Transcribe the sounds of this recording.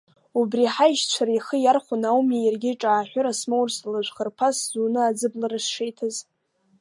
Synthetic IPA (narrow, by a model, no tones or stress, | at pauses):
ubriħajʃt͡ɕʷʰaɾiχəjarχʷʊnawmjejarɡʲɪʈ͡ʂʼaːħʷᶣʊɾasmowrslaʒʷχərpʰaszuːnɨad͡zɨblaɾɨsʂejtʰaz